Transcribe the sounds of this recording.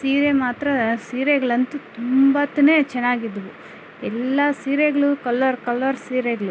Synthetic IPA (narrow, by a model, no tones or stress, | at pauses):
siːɾemaːt̪ɾɐsiːɾeɡɐɭɐnt̪ut̪umbɐt̪ːɐneːt͡ʃɛnːaːɡid̪ːɐʋu | ɛlːɐsiːɾeɡɐɭukɐlːɐɾkɐlːɐɾsiːɾeɡɐɭu